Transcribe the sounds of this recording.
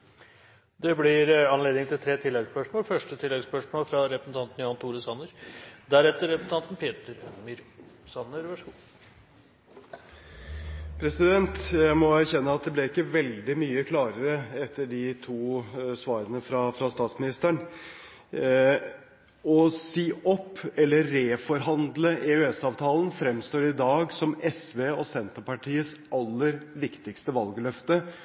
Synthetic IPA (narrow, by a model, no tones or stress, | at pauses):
d̪ɛblɪɾɑnleːd̪nɪŋt̪ʰɪlt̪ʰɾeːt̪ʰɪlːɛɡspœʂmoːlfœʂʈət̪ʰɪlːɛɡspœʂmoːlfɾɑɾɛpɾəsn̩t̪ɑnt̪n̩jɑːnt̪ʰuːɾəsɑnəɾd̪æɾɛt̪ːəɾːɛpɾsn̩ɑnt̪n̩pʰeːt̪əɾœmɪɾsɑnːəɾʋæʂuː | pʰɾɛsɪd̪ɛnt̪jæɪmɔæɾçɛnːəɑt̪̚d̪ɛblɛɪkːəʋɛld̪ɪmyːəkʰlɑːɾəɾəɛt̪ʰːəɖɪt̪ʰuːsʋɑːɾənəfɾɑfɾɑst̪ɑːt̪smɪnɪst̪æɳ | ɔsiːɔpːɛlːəɾeːfɔɾɦɑnd̪ləʔeʉɛsɑːʋt̪ʰɑːln̩fɾɛmst̪oːɾɪd̪ɑːɡsɔmɛsʋeːɔsɛnt̪əpɑʈʰiːəsʔɑlːəɾʋɪkt̪ɪkst̪əʋɑlɡəlœft̪ə